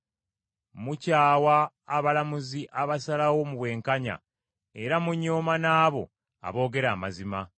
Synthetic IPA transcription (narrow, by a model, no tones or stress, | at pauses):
mucaːwaː | βalamuziʔaβasalawo̞muβwe̞ːŋkaɲa̰ | e̞ɾamuɲːoːmanaːβo̞̰ | a̰βo̞ːɡe̞ɾaːmazima